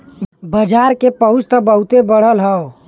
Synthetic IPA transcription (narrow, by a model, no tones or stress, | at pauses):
bəd͡ʒaːɾkepəɦʊt͡ʃt̪əbəɦut̪ebəɽ̤əlɦəo